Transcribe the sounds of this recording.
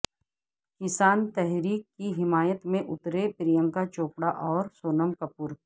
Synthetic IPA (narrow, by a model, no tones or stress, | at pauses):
kɪsaːnt̪ɛɦɾiːkːiɦɪmaːjət̪mẽʔʊt̪ɾepɾɪjə̃ŋkat͡ʃoːpɽaʔɔːɾsoːnəmkɐpuːɾ